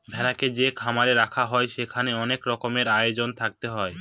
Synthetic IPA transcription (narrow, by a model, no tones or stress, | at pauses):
bʱɛlaked͡ʑekʰamaɾeɾakʰaɦɔeʃekʰaneɔnekɾɔkomeɾajod͡ʑont̪ʰak̚t̪eɦɔe